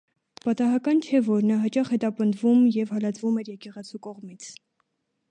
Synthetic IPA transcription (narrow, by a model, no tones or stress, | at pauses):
pɑt̪ɑɦɑkɑnt͡ʃʰɛvɔɾnɑɦɑt͡ʃɑχhɛt̪ɑpənd̪vumjɛvhɑlɑt͡svumɛɾjɛkɛʁɛt͡sʰukɔʁmit͡sʰ